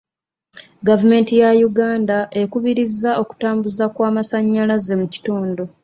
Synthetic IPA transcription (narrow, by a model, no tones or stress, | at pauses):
ɡavume̞ːntijajuɡaːndaʔe̞kuβiɾizːao̞ku̥taːmbuzakwaːmasaɲːalaze̞muci̥toːndo̞